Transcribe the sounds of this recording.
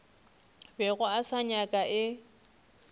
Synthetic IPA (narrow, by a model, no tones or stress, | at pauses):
bɛɣʊasaɲakʼaʔɪ